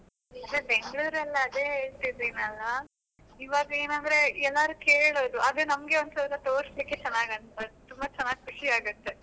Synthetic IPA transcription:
d̪ɾebe̞ŋɡɭuːɾɐlːɐːd̪e̞ːɦeːɭt̪id̪enɐlːɐ | iːʋaːɡɐe̞ːnɐnd̪ɾe̞ɛlːaːɾukeːɭoːd̪uʔɐd̪unɐmɡe̞ond̪sɐʋɾɐt̪oːɾslikːe̞t͡ʃɛnːaːɡɐnbɐd̪ut̪umbɐt͡ʃɐnːaːɡ̚kʰuʂiaːɡut̪ːe̞

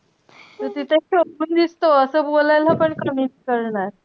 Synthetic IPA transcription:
t̪ət̪it̪ʰeɕəpuːnd̪ist̪oəsəːbolajlapəɳkəmiʈkəɾɳaɾ

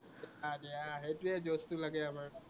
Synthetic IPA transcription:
adijaɦetuɛd͡ʒostulaɡɛamaɹ

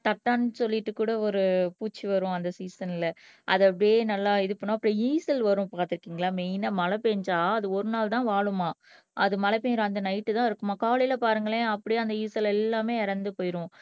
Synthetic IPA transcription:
t̪ɐʈːaːnːɯsɔlːɪʈːɯkːuːɽɐɔɾɯpuːt͡ʃːiʋɐɾʊ̃ɐnd̪ɐsiːsɐnɪlɐ | ʔɐ̰ðɯɐpːɐɽjeːnɐlːaːɪðɯpːɐnːaːɐpːɐɽiiːsɐlʋɐɾʊ̃paːɾt̪ɪɾɯkːiːŋɡɐɭaːmeɪnɐːmɐlɐpeːɲd͡ʒaːɐðɯɔɾɯnaːlt̪ãːʋaːɭɯmaː | ʔɐðɯmɐlɐpeːɲɾãːɐnd̪ɐnɐɪʈːɯt̪ãːɪɾɯkːɯmaːkaːɭɪlɐpaːɾɯŋɡɐɭẽːɐpːɐɽɪjɐnd̪ɐiːsɐlɛlːaːmeːɪɾɐnd̪ɯpoːjɪɾʊ̃

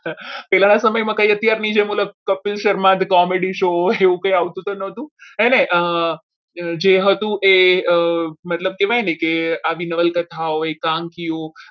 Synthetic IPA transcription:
pɛlanasəməjmãkəiət̪jaɾnid͡ʒemoləb̚kəpɪlʃəɾmãt̪kɔmeɽiʃoeʋũkə̃jaʋt̪ũt̪onət̪ũeneʔə | d͡ʒeɦət̪ũʔeəmət̪ləb̚keʋajnəjkeaʋinəʋəlkət̪ʰaoekãŋkio

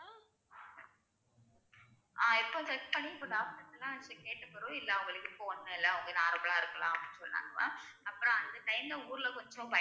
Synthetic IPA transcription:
ʔaːɪpːoːsɐʈpɐɳɪpʊʈaːpɐɽɐŋɐlːãːɐt͡ʃːɐkeːʈːɐpːɐɾʊ̃ːɪlːɐɐŋɡɐɭɯkːɯfoːnɯŋɐɪlːɐɐʋɐŋɡɐnaːɾɐmbɐɭaːɪɾɯkːɐlãːɐpɽɪnːsɔlːɪna̰ːŋɡɐʋã̰ɐpːɯɾɔ̃ɐnd̪ɐʈɐɪnd̪ɐuːɾɪlɐkɔɲd͡ʒõpɐ

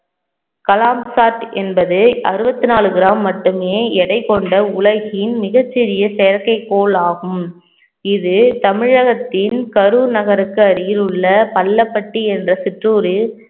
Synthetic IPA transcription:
kɐlaːmsaːʈɛnbɐðɯɐɾɯbɐt̪ːɯnaːlɯɣɪɾaːmːɐʈːɯmeːɛɽɐɪkːɔɳɖɐʊlɐɣɪɪnmɪɣɐt͡ʃːɪɾɪjɐsɛjɐɾkɐɪkːoːɭaːɣɯm | ɪðɯt̪ɐmɪɻɐɣɐt̪ːɪnkɐɾunɐɣɐɾɯkːɯɐɾɪjɪlɯɭːɐpɐlːɐpːɐʈːiɛndrɐsɪʈruːɾɯ

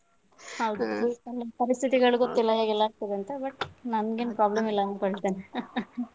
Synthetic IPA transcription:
hɐwd̪ɐlːpɐɾist̪ʰit̪iɡɐɭuɡot̪ːilːɐɦeːɡɛlːaːɡ̚t̪ɐd̪eɐnt̪ɐbɐʈnɐnɡenpɾaːblɐmilːɐnuːkɐɽɭt̪ene

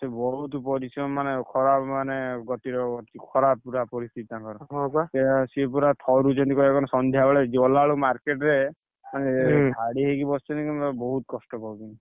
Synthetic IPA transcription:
sebɔɦut̪pɔɾisɔnmanekʰɔɾapmaneɡɔt̪iɾɔɡɔt̪ikʰɔɾapuɾapɔɾist̪ʰit̪nakɔɾɔɦasesipuɾat̪ʰɔɾud͡ʒɔnt̪ikɔekɔnɔsɔnd̪ʱjabɔɭed͡ʒɔlaɭumaɾkeʈɾe | manebʱaɽiɦekibɔst͡ʃʰɔnikɔnt̪ɔbɔɦut̪kɔsʈɔpawkin

